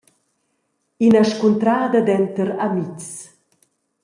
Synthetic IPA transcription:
inaʃkunt̪ɾaːd̪ad̪ɛnt̪əɾamiks

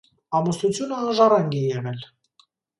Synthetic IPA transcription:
ɑmust̪ut͡sʰjunəːnʒɑrɑŋɡijɛʁɛl

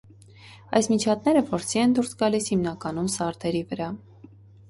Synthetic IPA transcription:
ɑ̰jsmit͡ʃʰɑt̪̚nɛɾəpʰɔɾsiɛnd̪uɾsɡɑlishimnɑkɑn̪umsɑɾt̪ʰɛɾivəɾɑ

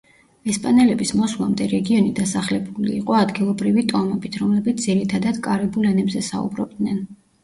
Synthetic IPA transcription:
ɛspʼanɛlɛbismɔslˠamd̪ɛɾɛɡiɔnid̪asaχlɛbulḭːqʼɔad̪ɡilˠɔbɾivit̪ʼɔmɛbit̪ʰɾɔmlɛbit̪d̪z̥iɾit̪ʰad̪ad̪̥kʼaɾɛbulɛnɛbzɛsa̰ṵbɾɔ̰b̚d̪nɛn

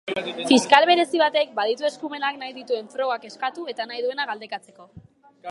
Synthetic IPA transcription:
fiskalβ̞e̞ɾe̞siβ̞at̪e̞k̚bað̞it̪ue̞skume̞naknajðit̪ue̞ɱfɾo̞ɣake̞skat̪ue̞t̪anajðue̞naɣald̪e̞kat͡se̞ko̞

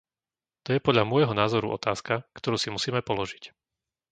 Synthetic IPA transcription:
t̪ɔjɛpɔd̪ʎamʊɔjɦɔnaːzɔɾṵʔɔ̰t̪aːskakt̪ɔɾuːsimusiːmɛpɔlɔʒic

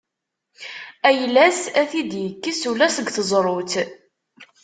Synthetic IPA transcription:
æjlæsæθid̪jəkːisulæsəɡθəzˤɾˤʊθ

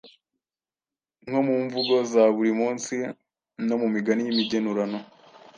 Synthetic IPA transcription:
ŋ̥homuːɱvuɡo̞zaβuɾimuːnsi | no̞mumiɡanijimiɟe̞nuɾano

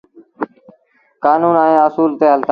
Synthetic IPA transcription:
kaːnuːnaẽːəsuːlt̪eːɦəlt̪a

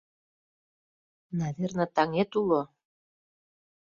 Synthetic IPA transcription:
nɑðernə̆t̪ɑŋet̪ulo

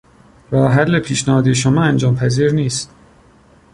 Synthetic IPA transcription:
ɾɒːɦælːepʰiːʃnæhɒːd̪ijeʃ̬omɒːænd͡ʒɒːmpʰæziːɾniːst̪

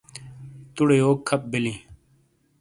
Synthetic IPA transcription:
t̪uɽeːoːkʰːɐp̚bilĩː

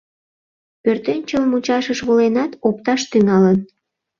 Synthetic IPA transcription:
pørt̪ent͡ɕəlmut͡ɕɑʃəʃβolenɑt̪op̚t̪ɑʃt̪yŋɑlən

